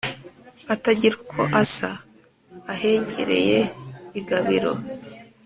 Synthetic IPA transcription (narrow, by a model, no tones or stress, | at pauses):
ataɟiɾukʰo̰ʔasaː | he̞ːɲɟḭɾḛjeiɡaβiɾo̞̰